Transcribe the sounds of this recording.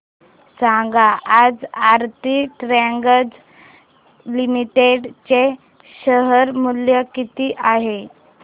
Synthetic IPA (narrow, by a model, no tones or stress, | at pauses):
saŋɡaʔad͡zaɾt̪iʈɾɛŋɡəd͡z | limiʈeɖt͡ɕe | ɕəɦəɾmuljəkit̪iːʔaɦe